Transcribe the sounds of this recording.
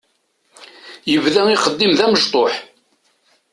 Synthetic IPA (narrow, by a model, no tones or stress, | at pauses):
jəvðæiχəd̪ːimðæməʒt̪ˤoħ